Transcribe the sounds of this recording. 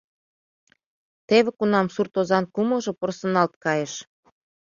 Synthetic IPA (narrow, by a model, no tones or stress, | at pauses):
t̪eβĕkunɑmsurt̪ozɑnkumɤ̆ʒɤ̆porsɤ̆nɑlt̪̚kɑjeʃ